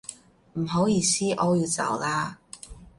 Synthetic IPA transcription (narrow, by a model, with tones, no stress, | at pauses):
m̩˨˩ɦo˨˥wjiː˧siː˥ʔɔː˨˧˥jiː˧wt͡sɐ̰˨˩wlaː˧